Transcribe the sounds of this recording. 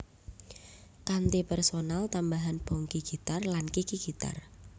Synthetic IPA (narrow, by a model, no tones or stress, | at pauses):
kant̪ipɛrsonalt̪ambaɦanb̥ɔŋkiɡ̥it̪arlankikiɡ̥it̪a̰r